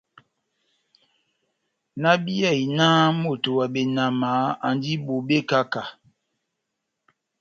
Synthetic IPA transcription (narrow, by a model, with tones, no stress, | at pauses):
na˦bi˦ɛ˦˨i˨naː˦mo˨to˨wa˨be˨na˨ma˨˦a˨n˦di˦bo˨be˦ka˦ka˨